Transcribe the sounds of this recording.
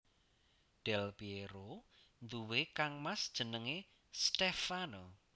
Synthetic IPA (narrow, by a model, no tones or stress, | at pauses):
ɖ̥ɛlpieɾo | nd̪uwekaŋmasd̥ʒ̥ə̤nəŋe | st̪efano